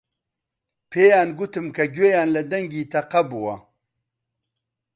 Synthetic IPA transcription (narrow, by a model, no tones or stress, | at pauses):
pʰeːjaːnɡut̪ɨmkɐɡwejaːnlɐd̪ɐŋɡiːt̪ʰɐqɐbuwɐ